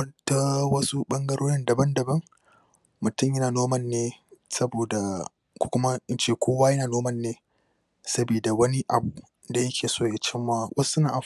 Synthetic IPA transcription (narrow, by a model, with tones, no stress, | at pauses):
ɐ˦nta˦wɐ˦su˦ɓɐ˦ŋɡɐ˦ɽoː˦ɽɪ˦ndɐ˨bɐ˦ndɐ˨bɐ˦ŋ | mʊ˨tʊ˦˨mjɐ˦naː˨noː˦mɐ˦˨nːeː˦sɐ˦boː˨da˨ | kʷu̥˨kʷʊ˦ma˦ʔɪ˦nt͡ʃeː˦˨kʷoː˦waː˦jɐ˦naː˨noː˦mɐ˦˨nːeː˦ | sɐ˦biː˨da˨wɐ˦ni˦ʔa˨bu˨ | da˨jɐ˦kʲʰeː˨soː˦˨ja˨t͡ʃɪ˦mːaː˦wʔɐ˦sʊ˦naː˨ʔa˨